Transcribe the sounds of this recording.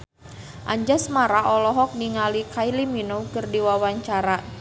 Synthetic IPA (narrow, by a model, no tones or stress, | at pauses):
ʔaɲd͡ʒasmaɾaʔɔlɔɦɔk̚niŋalikailiminokɨrdiwawaɲt͡ʃaɾa